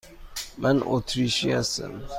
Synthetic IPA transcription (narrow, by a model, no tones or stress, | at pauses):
manɔtɾiʃiasə̰n